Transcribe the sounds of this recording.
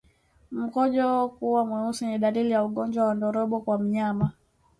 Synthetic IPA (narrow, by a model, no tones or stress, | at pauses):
m̩kɔʄɔkuwamwɛusiniɗalilijauɠɔnd͡ʒwawandɔɾɔɓɔkwam̩ɲama